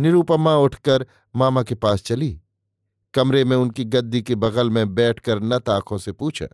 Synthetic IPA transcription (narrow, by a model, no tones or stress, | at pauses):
nɪɾuːpəmãʊʈʰkəɾ | maːmakepaːst͡ʃɐliː | kɐmɾemẽʊnkiɡɐd̪ːikebɐɣəlmẽbɛːʈʰkəɾnɐt̪aːkʰõsepuːt͡ʃʰa̰